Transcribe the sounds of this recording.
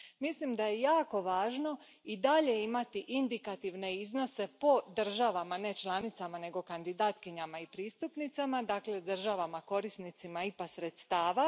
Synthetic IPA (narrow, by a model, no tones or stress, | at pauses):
mislimd̪ajejaːko̞ʋaːʒno̞ | id̪aʎe̞imat̪iʔind̪ikat̪iʋne̞izno̞se̞po̞d̪r̩ʒaʋamane̞t͡ʃlˠanit̪samane̞ɡo̞kand̪id̪at̪kiɲamaipɾiːst̪upnit̪samad̪aːkle̞d̪r̩ʒaʋamako̞ɾisnit̪simaipasɾe̞t̪st̪aːʋa